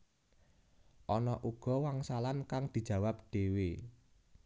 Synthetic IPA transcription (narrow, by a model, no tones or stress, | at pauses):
ʔɔnɔʔuɡ̥ɔ̤waŋsalankaŋd̪̥i̤̥d͡ʒ̥ä̤wap̚ɖ̥e̤we